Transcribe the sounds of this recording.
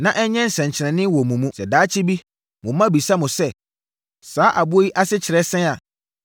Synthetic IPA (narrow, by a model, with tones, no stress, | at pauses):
nã˨ʔɛ˦ɲɛ̃˦n̩˨sɛ̃˨ɲ˨t͡ɕʰɪ˨ɾɛ̃˨nɪ̃˦wɔ˨mũ˨mũ˦sɛ˨daː˨˦t͡ɕʰɪ˦bi˦ | mʊ̃˨mã˦˨bi˨sa˦mʊ̃˨sɛ˦ | saː˨˦ʔa˨bʊ˦o˦ji˦ʔa˦sɪ˦t͡ɕʰɪ˨ɾɛ˦sɛ̃˦a˨